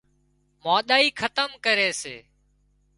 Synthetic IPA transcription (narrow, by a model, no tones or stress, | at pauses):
maːɗ̪aːiːkʰət̪əmkəɾeːsḛː